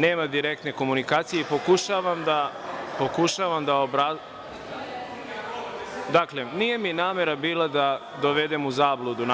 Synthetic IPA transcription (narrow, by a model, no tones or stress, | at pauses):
ne̞ːmad̪iɾek̚t̪ne̞ko̞munikaːt̪sijeipo̞kuʃaːʋamd̪apo̞kuʃaʋamd̪aobɾa | d̪akle̞nije̞minaːme̞ɾabiːlˠad̪a | d̪oʋe̞d̪e̞muzaːblˠud̪un